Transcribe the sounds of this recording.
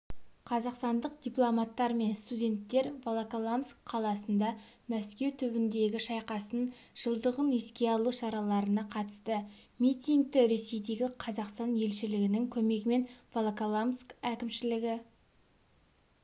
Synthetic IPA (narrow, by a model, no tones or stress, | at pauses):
qʰɑzɑqst̪ɑnd̪əq̚d̪ʲijplˠomat̪ːɑɾme̞nst̪udʲe̞nt̪ːe̞ɾvolˠakolˠamskqʰːɑlˠɑsənd̪ɑmæskʲe̞wt̪ʰʏbɪnd̪e̞ɡʲɪʃɑjqɑsənʒ̥əlˠd̪əʁəneskʲe̞ɑlˠuʃɑɾɑlˠɑɾənɑqʰɑt̪ə̥st̪ə | mit̪ʲijŋɡ̚t̪ɪɾe̞se̞jd̪e̞ɡʲɪqʰɑzɑqst̪ɑnje̞lʃɪlɪɡʲɪnɪŋkʲʰɵme̞ɡʲɪme̞nvolˠokolˠamskækʲɪmʃɪlɪɡʲɪ